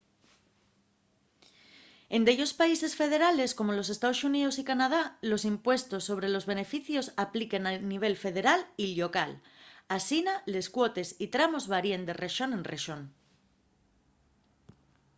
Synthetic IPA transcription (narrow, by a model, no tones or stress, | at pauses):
e̞nd̪eʎo̞spaise̞sfe̞ð̞e̞ɾale̞sko̞mo̞lo̞s̬e̞st̪aðo̞suniðo̞s̬ikanað̞alo̞simpwe̞st̪o̞sːo̞β̞ɾe̞lo̞zβe̞ne̞fiθjo̞saplikenaniβ̞e̞lfe̞ð̞e̞ɾaliʎo̞kalasinale̞skwo̞t̪e̞sit̪ɾamo̞zβaɾiend̪e̞re̞ʃo̞nẽ̞nreʃo̞n